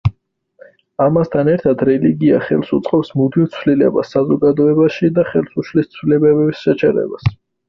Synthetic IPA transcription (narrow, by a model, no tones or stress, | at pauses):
amast̪ʰanɛɾt̪ʰad̪ɾɛliɡia̰χɛlˠsut̪sʼqʼɔpsmud̪ivt̪sʰwlilɛ̰ba̰sːazɔɡad̪ɔɛbaʃid̪aχɛlˠsuʃlist̪sʰwlɛbɛbɛbisʃɛt͡ʃʰɛɾɛ̰bas